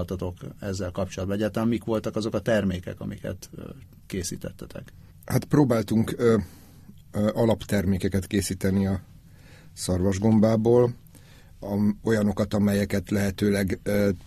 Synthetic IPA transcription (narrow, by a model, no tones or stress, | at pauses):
t̪ɒt̪o̞kɛzːɛlkɒpt͡ʃolɒd̪bɒɛɟaːt̪ɛmːikʋo̞lt̪ɒkɒzo̞kɒt̪ɛrmeːkɛ̰kɒ̰mikɛ̰t̪ | keːsḭːt̪ɛ̰t̪ːɛt̪ʰɛ̰k | hat̪proːbaːlt̪uŋk | ɒlɒpt̪ɛrmeːkɛkɛt̪keːsiːt̪ɛniɒ | sɒrvɒʒɡo̞mbaːboːl | ɒo̞jɒno̞kɒt̪ɒmɛjɛkɛt̪lɛɦɛt̪øːlɛɡ